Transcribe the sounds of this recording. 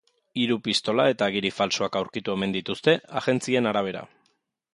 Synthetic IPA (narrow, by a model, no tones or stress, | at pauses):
iɾupist̪o̞lae̞t̪aɣ̞iɾifalsoakawɾkit̪ue̞mend̪it̪ust̪e̞aɣe̞nt͡sie̞naɾaβ̞e̞ɾa̰